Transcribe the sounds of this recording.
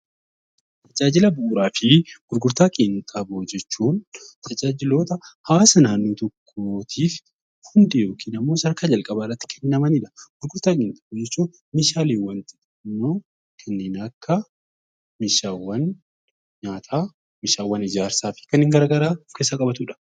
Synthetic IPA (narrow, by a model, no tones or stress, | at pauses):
t̪ʰɐd͡ʒaːd͡ʒɪlɐbuːɾaːfɪɡ̥ʊɾɡʊɾt̪aːkʼint̪ʼɐboːd͡ʒɛt͡ʃːuːnt̪ʰɐd͡ʒaːd͡ʒɪlo̞ːt̪ɐhɐwaːsɐnaːnːoːt̪ɔkʰːoːt̪ʰiːf | hʊnd̪ɪjo̞ːkʰiːnɐmːo̞ːsɐɾkaːd͡ʒɐlkʼɐbaɪrːɐt̪ːɪ̥kʰɛnːɪnːɐmɐniᶑɐ̥ɡ̥ʊɾɡʊɾt̪aːkʼɪːnt̪ʼɐboːd͡ʒɛt͡ʃːuːn | meʃaːliːwɐnt̪ɪ̥ | nːo̞ː | kʰɐnːɪːnɐkʰːɐ | mɪʃaːwɐn | ɲaːt̪ʰaː | mɪʃaːwːɐnɪd͡ʒaːɾsaːfɪ̥kɐnɪŋɡɐɾɡɐɾaːkeːsːakʼɐbɐt̪uːᶑɐ̥